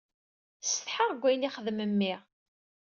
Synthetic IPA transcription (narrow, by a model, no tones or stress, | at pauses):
sθħaʁɡʷːæjniχəðməmːiʁ